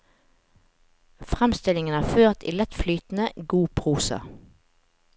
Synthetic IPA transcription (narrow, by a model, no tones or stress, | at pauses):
fʁɛmst̪ɪlɪŋənæːʁføːʁt̪ʰḭːlɛt̪flyːt̪n̩əɡuːpʰʁuːsə̰